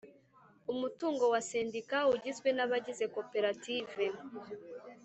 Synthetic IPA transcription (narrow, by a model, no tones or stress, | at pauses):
umutuːŋɡo̞wase̞ndikauɟizɡwe̞naβaɟize̞ko̞pe̞ɾatiːve̞